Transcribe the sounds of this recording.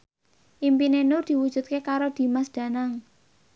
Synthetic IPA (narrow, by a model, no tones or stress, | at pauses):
ʔimpinenʊrd̪̥i̤wud̥ʒ̥ṳt̪̚kekaɾod̪̥i̤masd̪̥ä̤naŋ